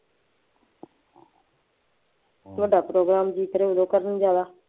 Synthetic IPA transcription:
ʋəɖaːpɾoːɡɾaːmd͡ʒiːkəɾeːʊd̪oːkəɾənd͡ʒjaːd̪aː

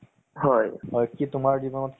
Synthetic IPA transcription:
hɔjɦɔjkitʊmaɹd͡ʒibɔnɔtk

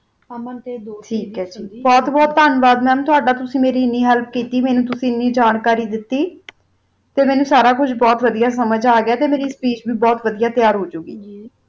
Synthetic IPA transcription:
ʈʰiːkɛːd͡ʒiːbɔːt̪bɔːt̪ːaːnʋaːd̪mɛ̃ːt̪ʊaːɖaːt̪ʊsĩːmeːɾiːɪnːiːɦɛlp̚kiːt̪iːmɛ̃ːnũːt̪ʊsĩːɪnːiːd͡ʒaːnkaːɾiːd̪ɪt̪ːiː | t̪eːmɛːnũːsaːɾaːkʊd͡ʒbɔːt̪ʋəd̪ijaːsəməd͡ʒaːɡɪjaːt̪eːmeːɾiːspiːt͡ʃbiːbɔːt̪ʋəd̪ijaːt̪ɪjaːɾɦoːd͡ʒuːɡiː

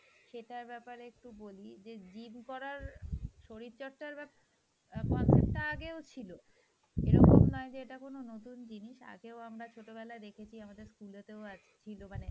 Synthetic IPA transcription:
ʃeʈaɾbɛpaɾeek̚ʈubolid͡ʑed͡ʑimkɔɾaɾʃoɾit̪ːt͡ɕɔʈʈaɾbɛ | kɔnsep̚ʈaaɡeot͡ɕʰilo | eɾɔ̰ko̰mnɔed͡ʑeeʈakononot̪und͡ʑiniʃa̰ɡeoamɾat͡ɕʰoʈobɛlaed̪ekʰet͡ɕʰiamad̪eɾskulot̪eoa | t͡ɕʰilomane

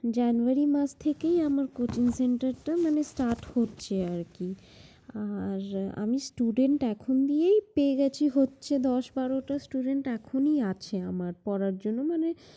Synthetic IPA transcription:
d͡ʑanuaɾimat͡ɕt̪ʰekejamaɾkot͡ɕiŋseɳʈaɾʈamanesʈaɾʈhotːɕʰeaɾki | aɾa̰misʈuɖeɳʈɛkʰond̪ijejpeːɡɛt͡ɕʰiɦotːɕʰed̪ɔʃbaɾoʈasʈuɖeɳʈɛkʰoniat͡ɕʰeamaɾpɔɾaɾd͡ʑonːomane

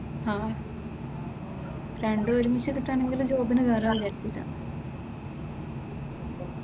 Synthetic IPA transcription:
haː | ɾe̞ɳɖɨoɾumiɕɨkiʈːaːɳe̞ŋɡild͡ʑo̞ːbinɨkaːɾaːjikɐɾit͡ɕːiʈːa̰ːn

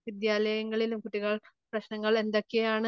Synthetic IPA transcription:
ʋid̪jaːlɐjɐŋːɐɭilumkuʈːiɣɐɭ | prɐɕnɐŋːɐɭe̞nd̪o̞kːejaːɳɨ

